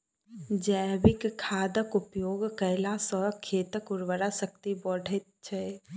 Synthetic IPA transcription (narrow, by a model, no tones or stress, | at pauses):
d͡ʒəjbɪkʰːaːd̪əkʊpjoːɡkəɪlasəkʰːeːt̪əkʊɾʋəɾasək̚t̪ibɔɽ̤ʱet̪̚t͡ʃʰə